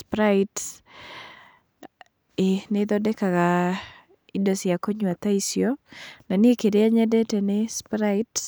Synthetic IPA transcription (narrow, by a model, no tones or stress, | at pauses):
spɾait | enɪd̪ɔdɛkaka | idɔsɪakoɲwat̪aisjonanɪekedeaɲɛdɛtɛnɪspɾat